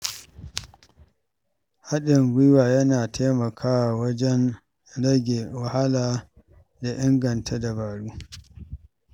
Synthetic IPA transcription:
ha˦ɗɪ˨ŋɡʷi˦waː˨jɐ˦naː˨tʰeː˦mɐ˨kʰaː˦wa˨wɐ˦d͡ʒɛ˦n | ɽɐ˦ɡʲe˨wa˨ha˦laː˨ | da˨ʔɪ˦ŋɡɐ˨ntʰa˦da˨baː˨ɽuː˦

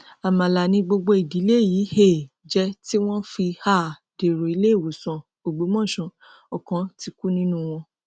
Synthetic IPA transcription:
a˨mã˨la˨nĩ˧ɡ͡bo˧ɡ͡bo˧i˨di˨˦le˦˨jiː˨˦he˦˨ | d͡ʒɛ˦ti˦w̃ɔ̃˦fi˧ha˦˨ | d̥e˨ɾo˨i˧˦le˦˨wo˨sɔ̃˧ | o˨ɡ͡bo˨˦mɔ̃˦˨ʃũ˧ | ɔ˨kã˨˦ti˧ku˦nĩ˦nũ˦w̃ɔ̃˧

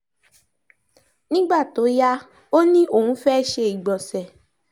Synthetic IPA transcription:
nĩ˦ɡ͡ba˦˨to˨˦ja˦ | o˦nĩ˦ʔo˦˨hũ˨˦fɛ˦˨ʃe˧i˨ɡ͡bɔ˨sɛ˨

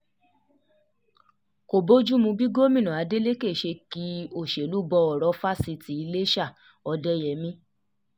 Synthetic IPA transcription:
ko˨bo˦d͡ʒu˦mũ˧bi˦ɡo˦mĩ˦˨nã˨a˨˦de˦le˦ke˦˨ʃe˧ki˦o˦˨ʃe˨lu˨˦bɔ˧ɔ˨ɾɔ˨˦fa˦si˧ti˧˦i˧le˦ʃa˦˨ | ɔ˧dɛ˦jɛ˨˦mĩ˦

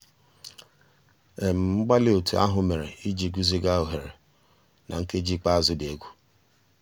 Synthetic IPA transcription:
e˨m̩˨ŋ͡m̩˦ɡ͡ba˦lɪ˦o˨tu˨a̰˦ɦʊ˨me˨ɾe˨i˦d͡ʒi˦ɡu˦zi˦ɡa˦o˨ɦe˨ɾe˨ | nʔa̰˨ŋ̩˦ke˦d͡ʒi˦k͡pa˦a˨zʊ˦de˦ɡʷu˦

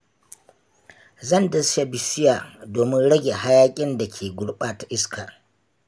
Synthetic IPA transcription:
zɐ˦˨ndɐ˨sʃa˦bɪ˨sɪ˦jaː˨doː˨mɪ˦nɽɐ˦ɡʲe˨ha˦jaː˦kʲʼɪ˦nda˨kʲʰeː˨ɡʷʊ˦ɽɓaː˨ta˨ʔɪ˦skʰaː˨

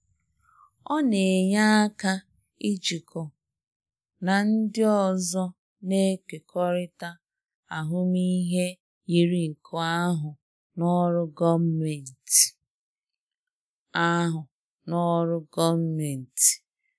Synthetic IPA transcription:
ɔ˦ne˨ɲa˦ka˦ | i˦d͡ʒi˨kɔ˨ | na˨n̩˦dɪ˦ɔ˦zɔ˦ | ne˦ke˨kʰɔ˦ɾɪ˦ta˦ | a˨ɦʊ˦mi˦ɦe˦ | i˦ɾi˦ŋ̩˨kʰɔ˦a˦ɦʊ˨ | nɔ˦ɾʊ˦ɡɔ˦me˨n˨t | a˦ɦʊ˨ | nɔ˦ɾʊ˦ɡɔ˦me˨n̩˨ti̥˨

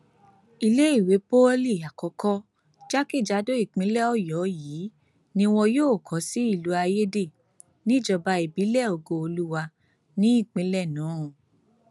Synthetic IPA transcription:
i˧le˦i˦˨we˨˦po˦li˦˨a˨kɔ˨˧kɔ˦ | d͡ʒa˦ki˦˨d͡ʒa˨˦do˦i˦˨k͡pĩ˨˦lɛ˦ɔ˦˨jɔ˨˦jiiː˨˦ | nĩ˧w̃ɔ̃˧joː˦˨kʰɔ˨˦si˦i˦˨lu˨˦a˧je˦de˦˨ | nĩ˦˨d͡ʒɔ˧ba˧i˨bi˨˦lɛ˦˨o˧ɡo˧o˧lu˦wa˧ | nĩ˦i˦˨k͡pĩ˨˦lɛ˦˨nãː˨˦˨

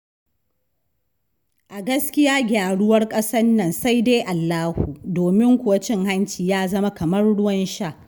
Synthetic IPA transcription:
ʔa˨ɡɐ˦skʲɪ˦jaː˦ɡʲaː˨ɽʊ˦wɐ˦rkʼɐ˦sɐ˦nːɐ˨nsa˦jdeː˦ʔa˨lːaː˦hu˨doː˨mɪ˦ŋkʷʊ˨wɐ˦t͡ʃɪ˦ŋha˦nt͡ʃiː˨jaː˦zɐ˦ma˦kɐ˨mɐ˦rɽʊ˦wɐ˦nʃaː˦˨ʔ

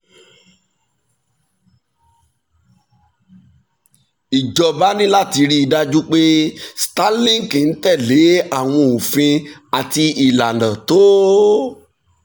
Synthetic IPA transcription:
i˨d͡ʒɔ˧ba˦nĩ˦la˦˨ti˧ɾi˦i˧da˧d͡ʒu˦k͡pe˦sta˦lĩ˦ŋ˨ki˨n̩˦tɛ˦˨le˨˦a˦˨w̃ɔ̃˧o˨fĩ˧a˨ti˧i˨la˨dã˨to˨˦

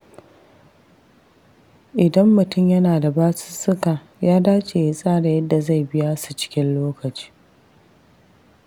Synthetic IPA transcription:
ʔɪ˨dɐ˦mːʊ˨tʊ˦˨mjɐ˦naː˨da˨baː˦sɪ̥˦sʊ˦ka˨ | jaː˦daː˦t͡ʃʼeː˨ja˦sʼaː˦ɽa˨jɐ˦dːa˨za˦˨jbɪ˦ja˦su˨t͡ʃɪ̥˦kʲɪ˦nloː˦kɐ˨t͡ʃi̥ː˦

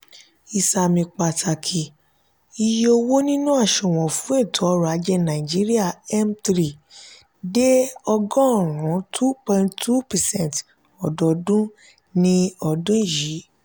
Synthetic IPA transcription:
i˧sa˧mĩ˧k͡pa˧ta˧kʰi˨ | i˧jo˧wo˦nĩ˦nũ˦a˦˨ʃɔ̃˨w̃ɔ̃˨fũ˨˦e˦˨tʰɔ˨˦ɔ˦ɾa˨˦d͡ʒɛ˦nã˨i˨d͡ʒi˨˦ɾi˦a˦˨ɛ˦mtɾi˦˨ | de˦ɔ˧ɡɔ̃˦˨ɾ̃ũ˨˦tʰu˦pɔ̃˧˨ĩ˧nttʰu˦pɛ˨sɛ̃˦˨nt | ɔ˨dɔ˨dũ˦ | nĩ˦ɔ˧dũ˦i˦˨ji˨˦

